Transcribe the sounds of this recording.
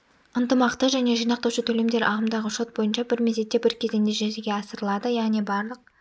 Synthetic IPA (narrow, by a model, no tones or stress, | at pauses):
ənt̪əmɑqt̪əʒæne̞ʒijnɑq̚t̪ɑwʃət̪ʰɵle̞md̪e̞ɾʔɑʁəmd̪ɑʁəʃo̞t̪̚bo̞jənʃɑbɪɾmeze̞t̪ːe̞bɪɾkʲʰe̞ze̞nd̪eʒezeɡʲe̞ɑsəɾəlˠɑd̪əjɑʁne̞bɑɾlˠəq̚